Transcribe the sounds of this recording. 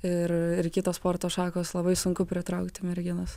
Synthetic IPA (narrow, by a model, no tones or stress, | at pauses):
ɪrɪrkʲɪt̪oːspoːɾt̪oːʃɑːkoːslˠɐbɐɪsʊŋkʊpʲɾʲɪt̪ɾɐʊkt̪ʲɪmʲɛɾʲɡʲɪnɐs